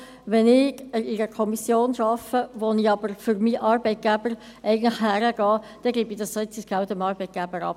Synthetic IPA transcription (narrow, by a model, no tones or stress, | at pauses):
ʋɛnɪɡəɪɾəkʰɔmisjoːnʃɑfəʋoniɑb̥əɾfyɾmiːʔɑːɾbɛɪt̪̚ɡ̥æb̥əɾ | ɛɪɡəntləχhæɾəɡ̥ɑː | d̥ɛɡliːbid̥̪ɑssoɪt͡sːɪsɡæʊt̪əmɑːɾbɛɪt̪̚ɡ̥æb̥əɾɑ̰p